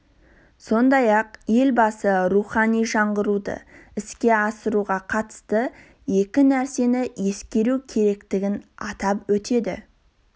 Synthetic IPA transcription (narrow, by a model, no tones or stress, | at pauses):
so̞nd̪ɑjɑqje̞lbɑsəɾuχɑnijʒɑɴʁəɾud̪ə̰ɪskʲe̞ɑsəɾuʁɑqʰɑt̪ə̥st̪ə | je̞kʲɪnæɾse̞nɪje̞skʲe̞ɾukʲʰe̞ɾe̞kt̪ɪɡʲɪnɑ̰t̪ɑpwɵt̪e̞d̪ɪ̰